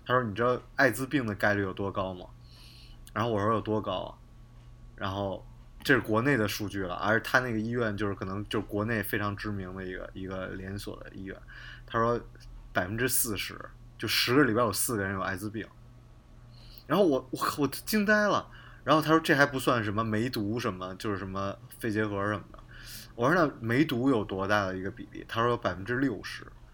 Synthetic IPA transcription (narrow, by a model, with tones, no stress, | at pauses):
t̪ʰa˥ʂwɔ˥ni˨˩ʈ͡ʂɻ̩˥d̪ə˧a˥˩ɪt͡sɹ̩˥pi˥˩ŋd̪ə˩ka˥ɪly˥˩jo˨˩ʊt̪wɔ˥kɑ˥ʊmɐ̰˩ | ɻa˧˥nxo˥˩ʊwɔ˨˩ɻɔ˥jo˨˩ʊt̪wɔ˥kɑ˥ʊ̰ | ɻa̰˧˥nxo˥˩ʊ | ʈ͡ʂɤ˥˧ʂɻ̩˥˩kwɔ˧˥ne˥˩ɪd̪ə˩ʂu˥˧t͡ɕy˥˩lə̰˩ʔə̰˧˥˧t̪ʰa˥na˥˩ɡə˩i˥ɥɛ˥˩nt͡ɕjo˥˧ʊʂɻ̩˥˩kʰɤ˨˩nɤ˧˥ŋt͡ɕjo˥˧ʊʂɻ̩˥˩kwɔ˧˥ne˥˩ɪfe˥ɪʈ͡ʂʰɑ˧˥ŋʈ͡ʂɻ̩˥mi˧˥ŋd̪ə˧i˧˥ɡə̰˧i˧˥ɡə˧ljɛ˧˥nswɔ̰˨˩d̪ə̰˦ḭ˥ɥɛ̰˥˩nt̪ʰa˥ʂwɔ˥pa˨˩ɪfə˦˥nʈ͡ʂɻ̩˥sɹ̩˥˩ʂɻ̩˧˥ | t͡ɕjo˥˧ʊʂʂɻ̩˧˥ɡə˧li˨˩pa˥ɪjwɔ˨˩ʊsɹ̩˥˩ɡə˩ɻə˧˥njo˨˩a̰˧˥ɪd͡zɹ̩˧pḭ˨˩˦ŋ | ɻa˧˥nxo˥˩wɔ˨˩wɔ˨˩wɔ˨˩t͡ɕi˥˧ŋt̪a˥ɪlə̰˨ | ɻa˧˥nxo˥˩ʊt̪ʰa˥ʂwɔ˥ʈ͡ʂxa˧˥ɪp̬u˧˥swa˥˩nʂ̬ə˧˥nmə˧me˧˥ɪt̪u˧˥ʂə˧˥nmə˧t͡ɕjo˥˧ʊʂɻ̩˥˩ʂə˧˥mə˧fe˥˩ɪt͡ɕjɛ˧˥xɤ˧˥ə˧ʂə˨˩mə˦nə̰˩wɔ˨˩ə˥na˥˩me˧˥ɪt̪u˧˥jo˨˩ʊt̪wɔ˧˥t̪a˥˩d̪ə˩i˧˥ɡə˧pḭ˨˩lḭ˥˩t̪ʰa˥ʂɔ˥pa˨˩ɪfə˧˥nʈ͡ʂɻ̩˥ljo˥˩ʊʂɻ̩˧˥